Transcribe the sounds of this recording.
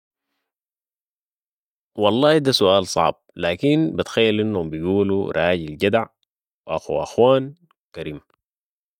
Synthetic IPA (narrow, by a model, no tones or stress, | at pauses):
wɑlˤːɑːhid̪asuʔaːlsˤɑ̰ʕb̚laːkinbit̪xajːalʔinːhumbijɡuːlṵɾˤɑːɟilɟad̪ʕ | wʔaxṵʔa̰xwaːn | kaɾiːm